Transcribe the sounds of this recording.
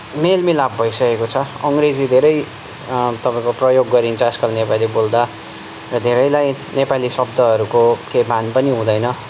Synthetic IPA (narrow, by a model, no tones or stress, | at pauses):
melmilabbʱʌjsʌkekot͡sʰʌʌŋɡred͡zid̪ʱeɾʌj | t̪ʌpãĩkoprʌjoɡːʌɾint͡sʰʌːskʌlnepalibold̪a | rʌd̪ʱeɾʌjlaj | nepalisʌb̚d̪ʱʌɦʌɾukokejbanpʌniɦũd̪ʌjnʌ